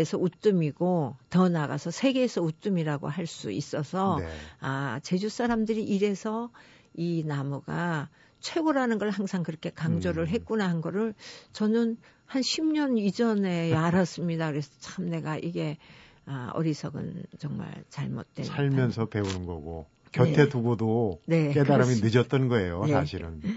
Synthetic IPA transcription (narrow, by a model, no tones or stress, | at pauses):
esʰʌut͈ɯmiɡotʌnaɡa̰sʰʌsʰe̞ɡe̞ːsʰʌut͈ɯmiɾaɡo̰haɭs͈uis͈ʌsʰʌat͡ɕe̞d͡ʑus͈aɾamdɯɾiʔiɾe̞sʰʌ | inamuɡa | t͡ɕʰwe̞ɡoɾanɯnɡʌɭhaŋsʰaŋkɯɾʌkʰe̞kaŋd͡ʑoɾɯɭɦe̞k͈unaɦanɡʌɾɯɭt͡ɕʌnɯn | hanɕʰimɲʌnid͡ʑʌne̞aɾas͈ɯmɲidakɯɾe̞sʰʌ̥t͡ɕamne̞ɡaʔiɡe̞ | aʌ̰ɾisʰʌɡɯ̰nt͡ɕʌŋma̰ɭt͡ɕaɭmo̰t̚t͈weaʎmjʌnsʰʌpe̞unɯnɡʌɡo | kjʌtʰe̞tuɡodone̞k͈edaɾɾɯminɯd͡ʑʌtt͈ʌnɡʌe̞jonesaɕʰiɾɯ̰n